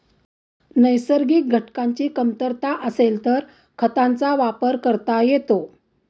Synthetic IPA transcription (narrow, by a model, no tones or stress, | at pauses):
nəjsəɾɡiːk̚ɡʱəʈkaɲt͡ɕiːkəmt̪əɾt̪aʔəselt̪əɾ | kʰət̪ant͡saʋapəɾkəɾt̪ajet̪o